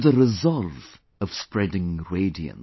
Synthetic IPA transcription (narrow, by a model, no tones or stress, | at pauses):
ðɨɹɨzɑlˠv | ʌv̥spɹɛdɪ̃ŋɹeɪdiɨ̰̃n